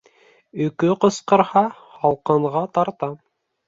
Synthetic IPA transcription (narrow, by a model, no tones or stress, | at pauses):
ɵ̆kɵqŏsqɤ̆ɾhɑ | hɑlˠqɤ̆ɴʁɑt̪ɑɾt̪ɑ